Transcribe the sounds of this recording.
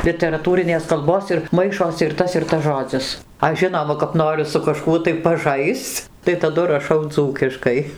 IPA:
lʲɪtʲɛrɐˈtuːrʲɪnʲeːs kɐlˠˈboːs ɪr ˈmɐɪʃoːsʲɪ ɪr ˈtɐs ɪr ˈtɐs ˈʒoːd͡zʲɪs ˈɐʃ ˈʒʲɪnoːmɐ kɐp ˈnoːrʲʊ sʊ kɐˈʃkuɔ tɐɪ pɐˈʒɐɪst͡s tɐɪ tɐˈdʊ rɐˈʃɐʊ ˈd͡zuːkʲɪʃkɐɪ

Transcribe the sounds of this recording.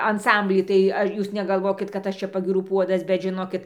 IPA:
ɐnˈsɐmʲbʲlʲiː tɐɪ ˈɐ ˈjuːs nʲɛɡɐlˠˈʋoːkʲɪt kɐt ˈɐʃ t͡ʃʲɛ pɐɡʲiːˈruː ˈpuɔdɐs bʲɛt ʒʲɪˈnoːkʲɪt

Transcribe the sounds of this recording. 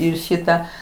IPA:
ˈɪr ˈʃʲɪtɐ

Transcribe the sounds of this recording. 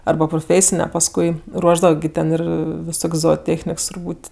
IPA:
ˈɐrbɐ prʊˈfʲeːsʲɪnʲɛ pɐsˈkʊɪ ˈruɔʒdɐʋɐ ɡʲɪ ˈtʲɛn ˈɪr ʋʲɪˈsoːkʲsʲ zoːoːˈtʲeːxʲnʲɪks tʊrˈbuːtʲ

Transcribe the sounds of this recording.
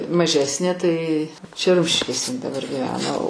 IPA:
mɐˈʒʲæːsʲnʲeː tɐɪ t͡ʃʲɛ ˈrʊmʲʃʲɪʃʲkʲeːsʲɛ ɪn dɐˈbɐr ɡʲɪˈʋʲæːnɐ oː

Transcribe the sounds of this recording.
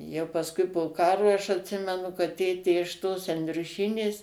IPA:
ˈjɛʊ pɐsˈkʊɪ poː ˈkɑːrʊɪ ɐʃ ɐtʲˈsʲɪmʲɛnʊ kɐt ˈtʲeːtʲeː ɪʃ toːs ɛnʲdʲrʲʊˈʃʲiːnʲeːs

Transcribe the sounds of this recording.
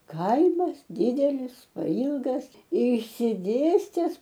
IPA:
ˈkɐɪmɐs ˈdʲiːdʲɛlʲɪs pɐˈiːlˠɡɐs ɪʃʲsʲɪˈdʲeːsʲtʲɛs

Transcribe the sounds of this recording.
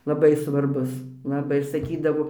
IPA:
lˠɐˈbɐɪ sʋɐrˈbʊs lˠɐˈbɐɪ ɪr sɐˈkʲiːdɐʋoː

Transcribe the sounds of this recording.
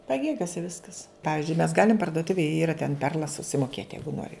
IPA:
pɐˈɡʲeːɡʲoːsʲɛ ˈʋʲɪskɐs ˈpɑːʋʲɪzʲd͡ʒʲʊɪ mʲɛs ˈɡɑːlʲɪm pɐrdoːˈtʊʋʲeːj ˈiːrɐ tʲɛn ˈpʲɛrlˠɐs sʊsʲɪmoːˈkʲeːt ˈjɛɪɡʊ ˈnoːrʲɪ

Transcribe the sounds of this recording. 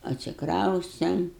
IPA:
ɐtʲsʲɪkˈrɐʊsʲtʲɛm

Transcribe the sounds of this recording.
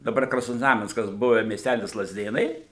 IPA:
dɐˈbɐr krɐsnoːzˈnɑːmʲɛnskɐs ˈbʊʋʲɛ mʲiɛsʲˈtʲælʲɪs lˠɐzʲˈdʲeːnɐɪ

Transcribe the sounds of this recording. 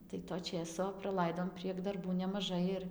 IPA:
tɐɪ toː ˈt͡ʃʲeːsoː prɐˈlˠɐɪdoːm pʲrʲiɛk dɐrˈbuː nʲɛmɐˈʒɐɪ ɪr

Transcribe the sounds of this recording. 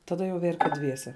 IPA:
tɐˈdɐ jɛʊ ˈʋʲɛrʲkʲeː ˈdʲʋʲiɛsʲɛ

